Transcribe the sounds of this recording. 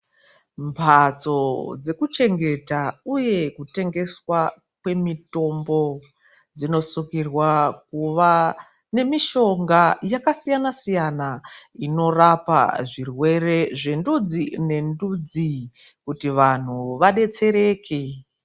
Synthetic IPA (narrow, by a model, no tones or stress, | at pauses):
mpʰat͡so̞d͡ze̞kut͡ʃe̞ŋɡe̞tauje̞kute̞ŋɡe̞swa | kwe̞mito̞mbo̞ | d͡zino̞sukirwak̚uʋa | ne̞miʃo̞ŋɡajakasijanasijanaino̞rapa̰ʐirwe̞re̞ʐe̞ndud͡zine̞ndud͡zi | kutiʋan̤uʋaɗe̞t͡se̞ɾe̞ːkʰe